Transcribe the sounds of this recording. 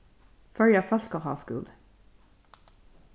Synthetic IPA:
fœljɑfœlkohɑ̰ːskʉ̰d̪

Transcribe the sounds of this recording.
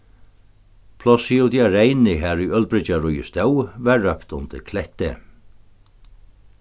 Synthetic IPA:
pʰlɔsiuwt̪jaɾejnɪɦæːɾujœl̚bɾɪt͡ʃaɾʊjəst̪ɛwvɛɹːœpt̪ʊnt̪ɪ̰ɾkʰlɛht̪ɪ̰

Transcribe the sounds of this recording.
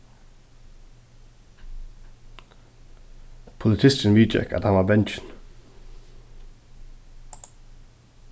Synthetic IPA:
pʰʊlɪt̪ʰɪst̪ənʋiːd͡ʒɛ̰kʰə̰t̪hanʋɑːbɛnt͡ʃən̩

